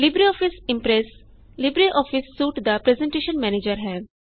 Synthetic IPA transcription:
lɪbɾiɔːfɪsɪ̃mpɾes | lɪbɾiʔɔːfʰɪsːuːʈd̪apɾezẽɳʈeːʃənmɛːneːd͡ʒəɾɦɛː

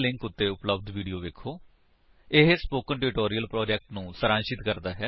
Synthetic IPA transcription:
lɪ̃ŋkʊt̪ːeːʊpləb̚d̪ʋiːɖioːʋeːkʰːoː | ɪɦspoːkənʈɪɾɪʈoːɾiəlpɾɔːd͡ʒɛk̚ʈnũːsəɾãːnʃɪt̪kəɾd̪aːɦɛː

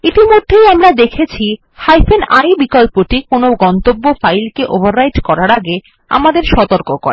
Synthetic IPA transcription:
it̪imod̪ʱːejamɾad̪ekʰet͡ɕʰi | hajfenajbikɔlpoʈikonoɡɔnt̪obːofajlkeʔobʱaɾːajʈkɔɾaɾaɡe | a̰mad̪eɾʃɔt̪oɾkoko̰ɾe

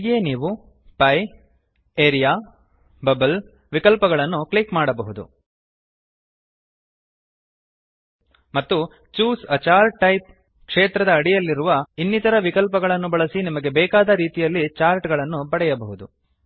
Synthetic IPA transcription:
ɡeːniːʋu | pɐj | eːɾijaː | bɐbɐl | ʋikɐlpɐɡɐɭɐnːukɭikmaːɽɐbɐɦud̪ṵ | mɐt̪ːu | t͡ʃuːsɐt͡ʃaːɾʈːɐjp̚ | kʂeːt̪ɾɐd̪ɐːɽijɐlːiɾuʋɐinːit̪ɐɾɐʋikɐlp̬ɐɡɐɭɐnːubɐɭɐsinimɐɡe̞bɛːkaːd̪ɐɾiːt̪ijɐlːit͡ʃaːɾʈɡɐɭɐnːubɐɽɛjɐbɐɦud̪u

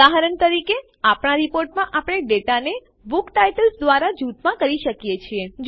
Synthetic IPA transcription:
aɦaɾəɳt̪əɾike | apɳ̃aɾipoɾʈmãʔapɽ̃eɖeʈane | bukʈajʈəlsd̪ʋaɾad͡ʒut̪mãkəɾiʃəkjet͡ʃʰied͡ʒ

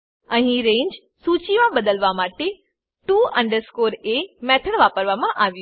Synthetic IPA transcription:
ə̃ɦĩɾẽːɲd͡ʑ | suːt͡ɕiʋãɓɐd̪əlʋamaːʈe | ʈuːɐ̃ɳɖəɾskoːɾemɛːt̪ʰəɽ̃ʋaːpəɾʋamãʔaːʋiju

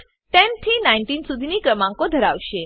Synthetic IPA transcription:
t̪ent̪ʰiːnainʈinsud̪ʱinikɾəmãŋkod̪ʱəɾaʋʃe

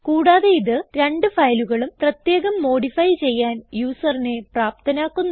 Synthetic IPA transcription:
kuːɽaːðeiðɨɾe̞ɳɖɨfɐjluɣɐɭumprɐt̪je̞ːɣɐmːo̞ːɽifɐjt͡ɕe̞jːaːnjuːsɐrine̞praːp̚t̪ʰɐnaːkːunː

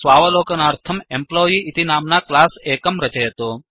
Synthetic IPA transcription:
sʋaːʋɐloːkɐnaːɾt̪ʰɐmemploːjiit̪inaːmnaklaːseːkɐmɾɐt͡ʃɐjɐt̪oː

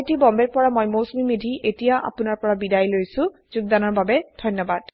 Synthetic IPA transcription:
jtibɔmbɛɹpɔɹamojmosmimidʱiʔetijaʔa̰pʊnaɹpɔɹabidajlojsʊ̃zuɡ̚d̪anɔɹbabɛdʱɔjnːɔbad̥

